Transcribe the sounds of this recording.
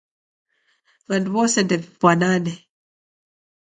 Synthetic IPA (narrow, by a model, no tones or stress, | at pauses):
βanduβɔsɛndɛvipwananɛ